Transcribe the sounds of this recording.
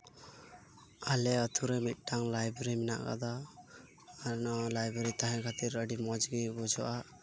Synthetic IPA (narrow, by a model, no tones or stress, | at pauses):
alɛət̪ʰuɾemit̪̚ˀʈaŋlajbɾimina̰ʔka̰d̪aː | ɾnɔlajbeɾit̪aɦãkʰat̪iɾəɖimɔd͡ʒɡibɔd͡ʒɔʔa